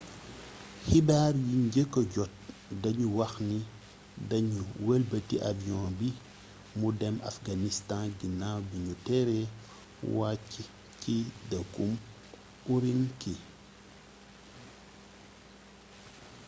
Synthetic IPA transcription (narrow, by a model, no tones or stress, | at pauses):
hibaːɾjiɲɟekːɔɟɔt̚dɐɲuwɐxni | dɐɲuwɛlbətiʔaviɔ̃ːbi | mudɛma̰fɡanistãnɡinawbiɲutɛɾɛ | wacːi | kidɐkum | uɾinki